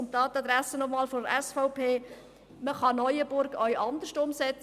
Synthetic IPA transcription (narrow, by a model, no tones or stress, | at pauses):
ntɑːt̪ɑd̪ɾæsənɔmɑːlfɔdəɾɛsfɔʊpʰeː | məχɑnɔjəbʊɾɡœʏʔɑnd̪əʃtʊmsɛt͡s